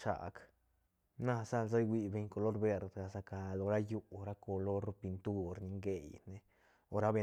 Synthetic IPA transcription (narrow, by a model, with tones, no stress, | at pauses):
t͡ʃa̰˨k | na˦sa˦lza˦jɡwi˧be˧˨ɲko˧lo˦ɾbe˧ɾd̪ɡa˨sa˧ka˧lo˨˧ɾa˦ju˦˧ɾa˦ko˧lo˦ɾo˧pi˧nt̪u˦ɾni˧ŋɡe˨jne˧ | o˧ɾa˦be˧